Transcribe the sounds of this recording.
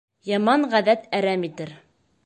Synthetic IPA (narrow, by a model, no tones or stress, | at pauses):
jɑmɑɴʁæðæt̪æɾæmit̪ɘɾ